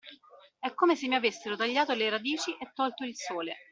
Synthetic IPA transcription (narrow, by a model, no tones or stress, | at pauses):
ɛkːomesemːiavesːeɾot̪aʎːaːt̪oleɾad̪iːt͡ʃiʔet̪ːɔlt̪oilsoːlḛ